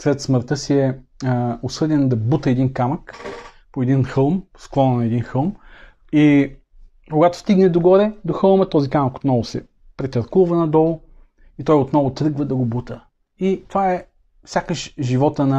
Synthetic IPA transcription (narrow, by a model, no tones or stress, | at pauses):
slɛt̪sməɾt̪ɤsiɛ | osɤd̪ɛnd̪ɐbut̪əɛd̪inkamək | poɛd̪inxɤlˠmsklˠɔnnɛd̪inxɤlˠm | i | koɡat̪o̥st̪iɡnɛd̪oɡɔɾɛd̪oxɤlˠmət̪ɔzikaməko̥t̪nɔvʊsɛ̰ | pɾɛt̪ɐɾkuvənɐd̪ɔlˠʊ | it̪ɔjot̪nɔvʊt̪ɾɤɡvəd̪ɐɡobut̪ə | it̪ovaɛ | fsʲjakəʃʒivɔt̪ənɐ